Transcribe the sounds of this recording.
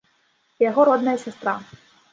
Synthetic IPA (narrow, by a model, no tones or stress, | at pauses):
jaɣɔɾɔd̪nɐjɐsʲast̪ɾa